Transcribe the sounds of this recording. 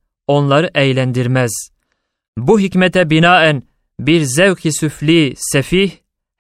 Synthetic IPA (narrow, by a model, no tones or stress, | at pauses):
o̞nlˠɑɾɯʔɛjlʲænd̪iɾmɛz̥ | buɦicmɛt̪ʰɛbinaːæn | biɾzɛwkhisyflʲisɛfih